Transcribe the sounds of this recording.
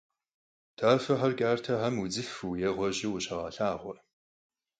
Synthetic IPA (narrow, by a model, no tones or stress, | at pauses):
tʰaːfɐħɐrkʲʼaːrtʰɐħɐmud͡zɨfɨjɛʁʷɔʑɪwʊɕɐʁɑɬaːʁʷɔ